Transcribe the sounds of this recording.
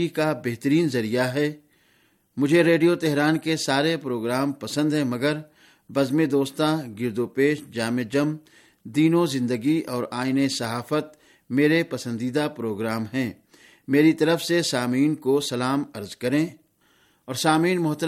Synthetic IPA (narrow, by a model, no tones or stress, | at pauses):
ikabeɦt̪əɾiːnzɐɾijaɦɛː | mʊd͡ʒʱeɾeːɖijot̪ɛɦɾaːnkesaːɾepɾoːɡɾaːmpɐsə̃nd̪ɦɛ̃mɐɡəɾ | bɐzmẽd̪oːst̪ãɡɪɾd̪opeːʃd͡ʒaːmed͡ʒəm | d̪iːnõzɪ̃nd̪əɡiʔɔːɾaːɪnesɐɦaːfət̪̚ | meːɾepɐsə̃nd̪iːd̪apɾoːɡɾaːmɦɛ̃ː | meːɾit̪ɐɾəfsesaːmiːnkosɐlaːmɐɾzkɐɾẽː | ɔːɾsaːmiːnmʊɦt̪ə